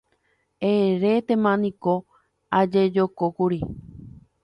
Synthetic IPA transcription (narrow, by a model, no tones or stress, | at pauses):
eɾet̪emãnĩko | ad͡ʒed͡ʒokokuɾi